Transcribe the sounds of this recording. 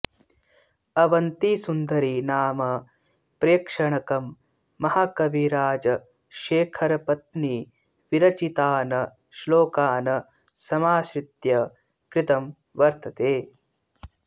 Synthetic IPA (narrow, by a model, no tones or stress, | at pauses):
ɐʋɐnt̪isund̪ɐɾinaːmɐ | pɾejːkʂɐɳɐkɐmː | ɐhakɐʋiɾaːd͡ʒɐ | ʃeːkʰɐɾɐpɐt̪ni | ʋiɾɐt͡ʃit̪aːnɐ | ʃloːkaːnɐ | sɐmaːʃɾit̪jɐ | kɾɪt̪ɐm | ʋɐɾt̪ʰɐt̪eː